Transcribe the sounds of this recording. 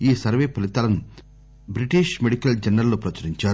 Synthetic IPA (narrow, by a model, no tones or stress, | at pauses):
iːsɐɾʋeːpɐlit̪ɐlɐnu | bɾiʈiʃmeɽikɐld͡ʒɐnɾɐlːupɾɐt͡ʃɐɾiɲt͡ʃaː